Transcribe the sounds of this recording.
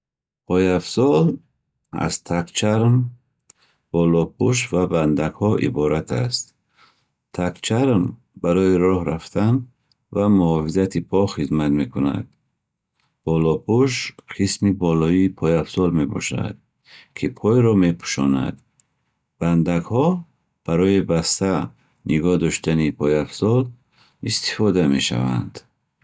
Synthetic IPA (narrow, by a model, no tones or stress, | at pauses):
pʰɔjafsɔl | a̰z̥t̪ʰakt͡ʃʰaɾm | b̥ɔlɔpʰuʃ̬vaband̪aɡhɔʔḭbɔɾat̪ʰa̰st̪ | t̪ʰakt͡ʃʰaɾm | baɾɔiɾɔhɾaft̪ʰan | vamuɔfizat̪ʰipʰɔχizmat̪me̞kʰuna̰d̪̥̚ | b̥ɔlɔpʰuʃqʰismibɔlɔiipʰɔjafsɔlme̞bɔ̰ʃa̰d̪̥̚ | kʰipʰɔjɾɔme̞pʰu̥ʃɔ̰na̰d̪ | b̥and̪aɡhɔ | b̥aɾɔjibast̪a | niɡɔd̪ɔʃt̪anipʰɔjafsɔl | ist̪i̥fɔd̪ame̞ʃa̰va̰nd̪̥